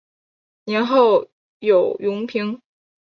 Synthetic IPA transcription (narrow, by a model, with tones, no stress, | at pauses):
njɛ˧˥nxo˥˩ʊ | jo˨˩ʊjʊ˧˥ŋpʰi˧˥ŋ